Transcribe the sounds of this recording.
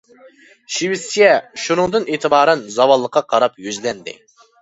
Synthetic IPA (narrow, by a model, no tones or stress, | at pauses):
ʃiwɪsijɛʃunɨŋd̪ɨneːt̪ʰɨbɑːɾɛnzɑwɑlˠːəqʰːɑqʰɑɾɑpjøzlɛnd̪ɪ̰